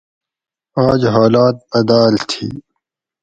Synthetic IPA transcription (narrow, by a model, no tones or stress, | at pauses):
aːd͡ʑɦaːlaːt̪̚ɐd̪aːlt̪ʰḭː